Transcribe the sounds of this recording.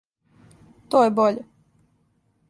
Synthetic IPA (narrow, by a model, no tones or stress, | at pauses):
t̪oːjeboʎe